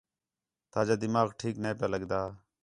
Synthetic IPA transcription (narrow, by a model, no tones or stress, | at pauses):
t̪aːd͡ʒaːd̪ɪmaːɣʈʰiːknẽːpjaːləɡd̪aː